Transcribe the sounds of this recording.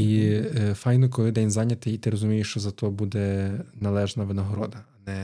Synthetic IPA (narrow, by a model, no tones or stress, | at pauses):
ifɑjnɔkɔlˠɪd̪ɛnʲzɑnʲɐt̪ɪit̪ɪɾɔzʊmʲijɪʃt͡ʃɔzɐt̪ɔbud̪ɛnɐlˠɛʒnɐʋɪnɐɦɔɾɔd̪ɐɐnɛ